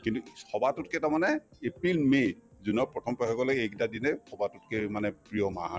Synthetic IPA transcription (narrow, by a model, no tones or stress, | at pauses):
kintukʰɔbatut̚kɛtamanɛepɹilme | zunɔpɹɔtʰɔmpɔkaɡɔlɔɡejkdadinɛkʰɔbatut̚kɛmanɛpɹijɔma̰